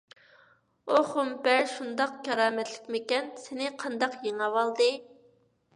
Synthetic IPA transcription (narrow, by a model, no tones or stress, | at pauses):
oχʊmbɛɾʃund̪ɑq̚kʲʰɑɾɑːmɛt̪lɪ̥kʲmɪkʲɛnsɪnɪqʰɑnd̪ɑqjeŋɑwɑlˠd̪ɨ